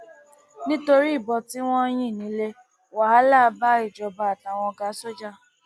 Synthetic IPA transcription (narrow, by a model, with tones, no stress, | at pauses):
nĩ˦to˧ɾi˦i˦˨bɔ˧ti˦w̃ɔ̃˦j̃ĩ˦˨nĩ˨˦le˦ | wa˨˦a˦la˦˨˧ba˦i˦˨d͡ʒɔ˨ba˧a˨ta˨w̃ɔ̃˧ɡa˨˦so˦d͡ʒa˦˨